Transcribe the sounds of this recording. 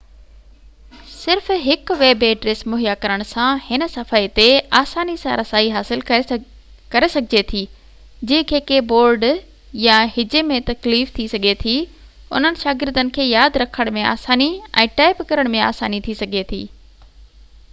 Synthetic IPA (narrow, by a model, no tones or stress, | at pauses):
sɪɾfɦɪkʋeːbeːɖɾeːsmʊɦjakɐɾəɽ̃sãhɪn̆sɐfaːit̪eaːsaːnisãɾɐsaːiɦaːsɪl | kɐɾesɐɡʱɪd͡ʑet̪ʰiː | d͡ʑɐ̃ɦɪ̃kʰeːkeboːɾɖ | jãhɪd͡ʑemẽt̪ɐkliːft̪ʰisɐɡʱet̪ʰi | ʊ̰n̤ənɪ̆ʃaːɡɪɾd̪ənɪ̆kʰeːjaːd̪ɾɐkʰəɽ̃mẽa̰ːsaːniɛ̰̃ːʈaːɪpkɐɾəɽ̃mẽa̰ːsaːnit̪ʰisɐɡʱet̪ʰḭː